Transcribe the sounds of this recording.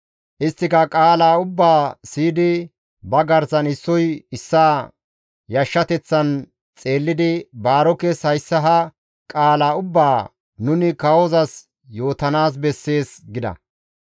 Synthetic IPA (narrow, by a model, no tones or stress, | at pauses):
ʔɪst̪ːɪkɐkʼaːlaːʊbːaːsiːd̪ɪ | bɐɡɐɾzɐnɪsːɔjɪsːaː | jɐʃːɐt̪ɛt͡sːɐn | t͡sʼe̞ːlːɪd̪ɪbaːɾɔkeshɐjsːɐɦɐ | kʼaːlaːʊbːaː | nʊnɪkɐwɔzɐs | jo̞ːt̪ɐnaːs̬bɛsːe̞ːsɡɪd̪ɐ̰